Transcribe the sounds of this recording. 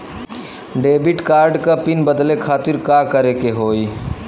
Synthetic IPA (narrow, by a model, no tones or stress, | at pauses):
ɖebiʈkaɾɖkəpinbəd̪lekʰat̪iɾkakəɾekeɦoj